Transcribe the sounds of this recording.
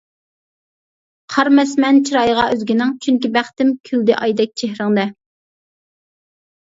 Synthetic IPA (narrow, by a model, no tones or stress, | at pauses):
qʰɑɾmɛsmɛnt͡ʃʰiɾɑjʁɑʔøzɡʲinɪŋt͡ʃʰyŋkʲibæχt̪ɪmkʲʰyld̪ɪʔɑjd̪ɛk̚ʲt͡ʃʰehɾɪŋd̪ɛ